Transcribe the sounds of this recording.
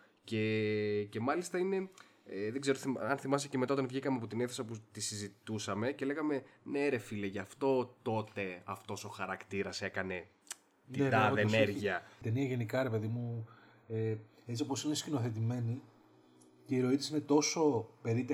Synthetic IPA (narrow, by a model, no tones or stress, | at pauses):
ce̞ce̞mɐlist̪ɐine̞ | eðeɡze̞ɾoθɐnθimɐs̬ecemeaot̪ɐnvʝikɐmeɐpot̪ineθesɐput̪isizit̪usɐme̞ce̞le̞ɣɐme̞neɾe̞fileʝɐft̪o̞t̪o̞t̪e̞ɐft̪o̞so̞xɐɾɐkt̪iɾɐse̞kɐne̞ | nit̪ɐðenneɾʝiɐt̪eniɐʝe̞nikɐɾe̞pe̞ðimu | e | et͡s̪io̞posinescino̞θe̞t̪̬ime̞ni | ceiɾo̞it̪i̥sine̞t̪o̞so̞pe̞ɾit̪e